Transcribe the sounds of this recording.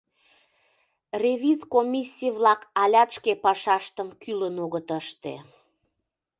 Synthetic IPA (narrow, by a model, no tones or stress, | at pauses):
revʲizkomʲisʲːijβlɑkɑlʲɑt̪ʃkepɑʃɑʃt̪əmkylənoɣət̪əʃt̪ḛ